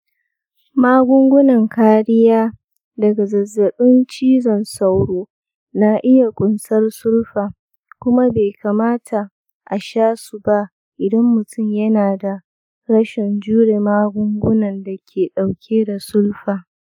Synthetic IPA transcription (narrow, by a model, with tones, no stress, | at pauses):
maː˦ɡʷʊ˦ŋɡʷʊ˦nɐ˨ŋkʰaː˦ɽɪ˦jaː˦ | dɐ˨ɡa˨zɐ˨zːɐ˨ɓɪ˦nt͡ʃiː˦zɐ˨nsa˦wɽoː˦ | na˦ʔɪ˦ja˨kʷʼʊ˦nsɐ˦rsʊ˦lɸaː˨ | kʷʊ˦ma˦beː˨kʰaː˨maː˦tʰa˨ | ʔa˨ʃaː˦su˨ba˦ʔ | ʔɪ˨dɐ˦mːʊ˨tʰʊ˦˨mjɐ˦naː˨da˨ | ɽɐ˦ʃɛ˨nd͡ʒuː˦ɽeː˨maː˦ɡʷʊ˦ŋɡʷʊ˦nɐ˨nda˨kʲʰeː˨ɗa˨wkʲʰeː˦da˨sʊ˦lɸaː˨